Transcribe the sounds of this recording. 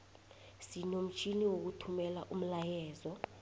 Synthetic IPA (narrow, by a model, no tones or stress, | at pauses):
sinom̩t͡ʃʰiniwok̬utʰumɛlaʔum̩lajɛːzɔ